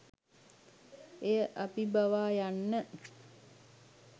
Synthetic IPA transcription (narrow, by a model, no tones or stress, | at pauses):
ejəʔapibaʋaːjanːə